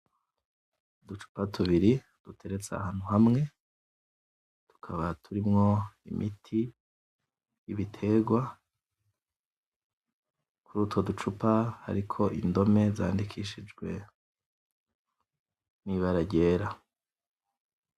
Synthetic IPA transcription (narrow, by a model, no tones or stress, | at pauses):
dut͡ʃu̥patuβiɾi | d̥utʰe̞ɾe̞t͡sea̰haːn̥huɦamŋe̞ | tu̥kʰaβatʰuɾimŋo̞ḭmʔḭtʰi | jiβitʰe̞ɡwa | kuɾuːto̞dut͡ʃupaha̰ɾikʰo̞ʔindo̞me̞za̰ːndikʰiʃid͡ʒɡwe̞ | niβaɾaɟe̞ːɾa